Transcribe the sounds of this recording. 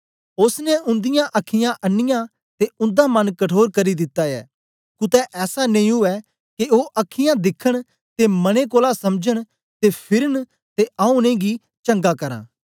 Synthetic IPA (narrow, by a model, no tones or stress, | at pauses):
ʊsnɛʔʊ̃nd̪ɪjãʔɐkʰːɪjãʔɐnːɪjã | t̪eʊ̃nd̪aːmɐnkɐʈʰoːɾkɐɾid̪ɪt̪ːaːɛ̰ː | kʊt̪ɛʔɛːsaneĩʊɛː | keoːʔɐkʰːɪjãd̪ɪkʰːəɽ̃ | t̪emɐɽ̃ek̬oːlasɐmd͡ʒəɽ̃ | t̪epʰɪɾəɳ | t̪eʔaːʊ̃nẽɡi | t͡ʃɐ̃ŋɡakɐɾã̰ː